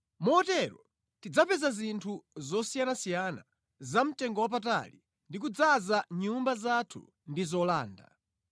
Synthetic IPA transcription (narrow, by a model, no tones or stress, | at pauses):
mɔɔtɛɾɔ̰ | tid͡zapɛzazintʰuzɔsijanasijana | zam̩tɛŋɡɔwap̬ata̰li | ndik̬ud͡zazaɲumbazatʰṵ | ndizɔlaːnda̰